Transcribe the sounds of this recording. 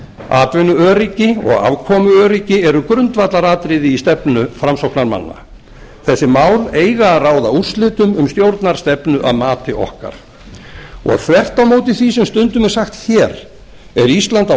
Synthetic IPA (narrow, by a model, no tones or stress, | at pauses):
a̰ːt̪vɪnʏœːɾicɪɔ̰ɣa̰vkʰɔːmʏœːɾicɪɛɾʏkɾʏnt̪vat̪laɾaːt̪ɾɪðɪist̪ɛpnʏfɾamsowknaɾma̰nːa̰ | θɛsːɪmaːwleːjɣaːðraːwðaur̥st̪lɪːt̪ʏmʏmst̪jowɾt̪naɾ̥st̪ɛpnʏʔa̰ðmaːt̪ɪʔɔ̰hka̰ɾ̥ | ɔ̰ɣθvɛr̥t̪awmoːwt̪ɪθvisɛmst̪ʏnt̪ʏmɛ̥saxt̪çɛːɾ | ɛɾist̪lant̪a